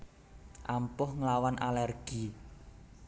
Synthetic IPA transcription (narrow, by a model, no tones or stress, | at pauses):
ʔampʊhŋlawanʔalɛrɡ̥i